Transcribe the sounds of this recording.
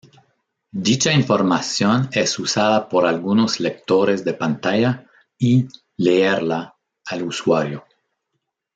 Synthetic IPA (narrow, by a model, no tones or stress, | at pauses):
d̪it͡ʃaiɱfoɾmasjonesusaðapoɾalɡunoslek̚t̪oɾeszd̪epant̪aja | i | leeɾlaː | luswaɾjo